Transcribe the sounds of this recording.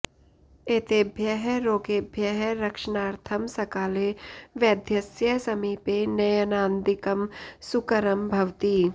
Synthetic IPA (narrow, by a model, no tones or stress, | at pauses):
eːt̪eːbʱjɐɦɛɾoːɡeːbʱjɐɦɛɾɐkʃənaːɾt̪ʰəmsɐkaːleʋjɐd̪ʱjɐsjəsɐmiːpenɐjənaːnd̪ɪkɐmsʊkəɾəmbʱɐʋt̪iː